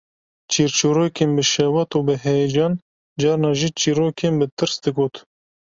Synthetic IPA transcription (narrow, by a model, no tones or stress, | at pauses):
t͡ʃʰiːɾt͡ʃuːɾoːkʰeːnbɨʃɛwɑt̪uːbɨɦɛd͡ʒɑːn | d͡ʒɑːɾnɑːʒiːt͡ʃiːɾoːkʰenbɨt̪ɨɾsd̪ɨɡoːt̪